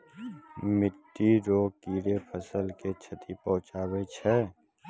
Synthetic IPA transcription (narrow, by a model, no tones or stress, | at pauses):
mɪʈːiɾoːkiːɾepʰəsəlket͡ʃʰət̪ʰipɔ̃ɦʊ̃t͡ʃaːwet͡ʃʰɛ